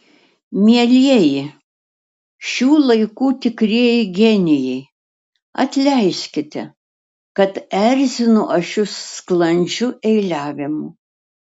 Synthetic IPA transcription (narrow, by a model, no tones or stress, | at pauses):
mʲiɛlʲiɛjɪ | ʃʲuːlˠɐɪkuːt̪ʲɪkɾʲiɛjɪɡʲɛnʲɪjɛɪ | ɐt̪ʲlʲɛɪʃʲkʲɪt̪ʲɛ | kɐt̪ɛɾʲzʲɪnʊʔɐʃʲʊsːklˠɐnʲd͡ʒʲʊʔɛɪlʲæːʋʲɪmʊ